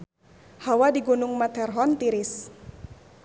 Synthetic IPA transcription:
hawadiɡunʊŋmat̪ɛrɦɔnt̪iɾɪs

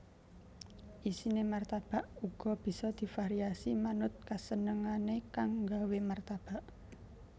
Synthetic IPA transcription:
ʔisinemart̪ab̥a̤ʔuɡ̥ɔ̤b̥i̤sɔd̪̥i̤faɾiasimanʊt̪̚kasənəŋanekaŋɡawemart̪ab̥a̤ʔ

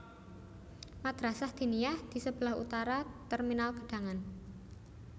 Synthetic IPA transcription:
mad̪̥ɾasahd̪̥i̤niahd̪̥i̤səb̥əlaɦṵt̪aɾat̪ərminalɡə̤ɖ̥a̤ŋan

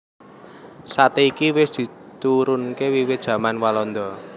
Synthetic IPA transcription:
sat̪eikiwɪsd̪̥i̤ | t̪uɾʊnkewiwɪt̪̚ʒ̥ä̤manwalɔnd̪ɔ

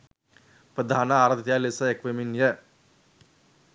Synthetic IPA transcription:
pɾɐd̪ʱaːnɐaːɾɐd̪ʱjalesɐekʋeminjɐ

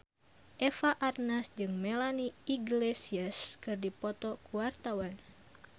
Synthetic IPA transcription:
ʔefaʔarnasd͡ʒɨŋmɛlaniiɡlesiaskɨrdipɔt̪ɔkuwart̪awan

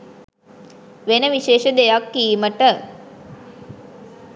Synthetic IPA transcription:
ʋenəʋiʃeːʃəd̪ejakːiːməʈə

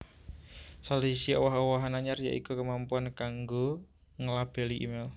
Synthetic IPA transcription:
salisiɔwaɦɔwaɦanaɲarja̰ʔikukəmampuankaŋɡo | ŋəlab̥ɛ̤liʔḭmel

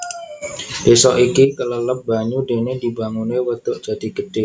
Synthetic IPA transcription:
d̥esɔʔikikələləp̚baɲudenedibaŋunewət̪ʊʔd͡ʒ̥ad̥i̤ɡəd̥ɪ

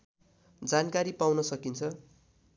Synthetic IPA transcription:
d͡zankaɾipawnʌsʌkint͡sʰʌ

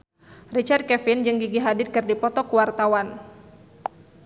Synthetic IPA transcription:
rit͡ʃard̪̚kɛfɪnd͡ʒɨŋɡiɡiɦadɪt̪̚kɨrdipɔt̪ɔkuwart̪awan

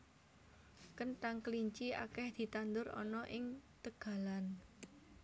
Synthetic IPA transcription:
kənʈaŋkəliɲt͡ʃia̰kɛhd̪̥i̤t̪and̪ʊɾɔ̰nɔʔɪŋt̪əɡ̥a̤lan

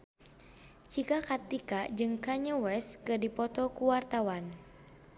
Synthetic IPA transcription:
t͡ʃikakart̪ikad͡ʒɨŋkaɲəwɛskədipɔt̪ɔkuwart̪awan

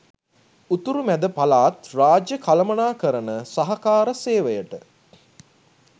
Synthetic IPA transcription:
ut̪uɾumæd̪əpalaːt̪raːd͡ʒjəkʰaləmənaːkəɾənəsaɦɐkaːɾəseːʋəjəʈə

